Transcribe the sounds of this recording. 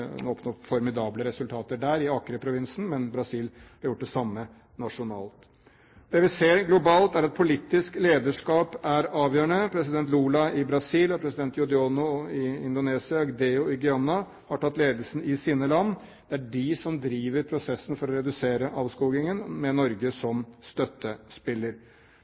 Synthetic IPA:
ɔpnɔfɔɾmɪd̪ɑːbləɾɛsʉlt̪ʰɑːt̪əɖæːɾɪɑːkɾəpʰɾʊʋɪnsn̩mɛnbɾɑsiːlhɑɾjʊʈ̚ːd̪ɛsɑmːə | nɑʂʊnɑ̰ːlt̪ | d̪̥ɛːʋɪseːɾɡlʊbɑːlt̪æɾɑt̪̚pʰʊlɪt̪ːɪskleːd̪əʂkɑːpæɾɑːʋjøːəɳəpʰɾɛsɪd̪ɛnt̪̬luːlɑɪbɾɑsiːlɔpʰɾɛsɪd̪ɛnt̪jʊd̪ɪonʊɪɪnd̪ʊneːsɪɑɔɡd̪eːʊɪɡʏɑnːɑ | hɑʈʰɑt̪ːleːd̪lsn̩ɪsiːnəlɑnː | d̪̥ɛæɖɪsɔmd̪ɾiːʋəɾpʰɾʊsɛsːənfɔɾɔɾɛd̪ʉseːɾəʔɑːʋskuːɡɪŋənmɛnɔɾɡəsɔmst̪œt̪ːəspɪlːəɾ

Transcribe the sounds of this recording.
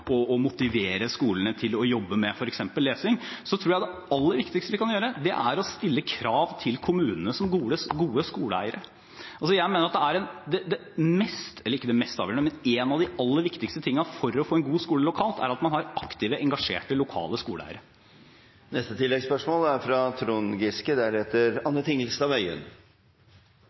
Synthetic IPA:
ɔːmʊt̪ɪʋeːɾəskuːləɳət̪ʰɪlɔjɔbːəmɛfɔɾɛksɛmpəlːeːsɪŋsɔt̪ʰɾuːjæɪd̪ɛɑlːəɾʋɪkt̪ɪkst̪əʋɪkʰɑnjøːɾəd̪ɛ̰ʔæɾɔst̪ɪlːəkʰɾɑːʋt̪ʰɪlkʰʊmʉːnənəsɔmɡuːəsɡuːəskuːləæ̰ɪəɾə | ʔɑlsɔjæɪmeːnəɾɑt̪̚d̪ɛæɾɛnd̪ɛd̪ɛ | mɛst̪ɛlːəɾɪkːəd̪ɛmɛst̪ɑ̰ʋjøːɳəmɛneːnɑʋd̪ɪɑlːəɾʋɪkt̪ɪkst̪ət̪ʰɪŋːənɑfɔɾɔfoːɛnɡuːskuːləlʊkʰɑːlt̪ʰæ̰ɾɑt̪mɑnhɑɾɑkt̪ɪːʋəʔɛŋɡɑʂḛːʈəlʊkʰɑ̰ːləskuːləæ̰ɪəɾə | nɛst̪ət̪ʰɪlːɛɡspœʂmoːlæɾfɾɑt̪ʰɾuːnɡɪskəd̪æɾheːt̪əɾɑnːət̪ʰɪŋlst̪ɑʋœʏə̰n

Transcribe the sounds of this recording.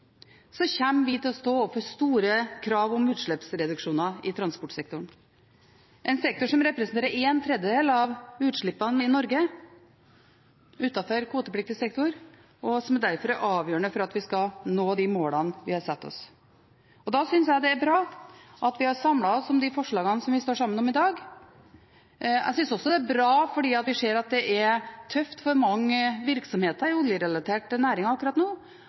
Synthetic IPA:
sɔçæmːʋɪt̪ɪlɔst̪oːɔpfɔɾst̪uːɾəkʰɾɑːʋɔmʉːt̪ʂɭɛpsɾɛd̪ʉkʂuːnɑɪt̪ʰɾɑnspɔʈsɛk̚t̪ʊɳ | ʔɛɪnsɛk̚t̪ʊʂɔmɾɛpɾsn̩t̪eːɾəɾeːnt̪ʰɾɛd̪əd̪eːlɑʋʉːt̪ʂɭɪpːɑnɪnɔɾɡə | ʉːt̪ɑfɔɾkʰuːt̪əpʰlɪk̚t̪ɪəsɛk̚t̪ʊɾ | ɔsɔmæd̪æɾfɔɾæɾʔɑːʋjøːɾəɳəfɔɾɑt̪ʋɪskɑnoːd̪ɪmoːlɑnʋɪhɑɾsɛt̪ːɔ̰s | ɔd̪ɑsʏnsjæɪd̪ɛæɾbɾɑː | ʔɑt̪ʋɪhɑɾsɑmlɑɔsɔmd̪ɪfɔʂɭɑːɡɑnsɔmʋɪst̪oːʂɑmːənɔmɪd̪ɑːɡ | æ̰sʏnsɔsːɔd̪ɛæɾbɾɑːfɔɖiːɑt̪ʋɪʂeːɾɑt̪̚d̪ɛʔæɾt̪ʰœft̪fɔɾmɑŋːəʋɪɾksɔmheːt̪ɑɾʊljəɾɛlɑt̪ʰeːʈnæːɾɪŋɑɑkːʉɾɑt̪noː

